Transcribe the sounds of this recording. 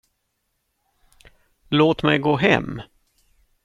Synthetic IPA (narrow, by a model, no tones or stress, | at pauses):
loːt̪mɛjɡoːɦɛ̰mː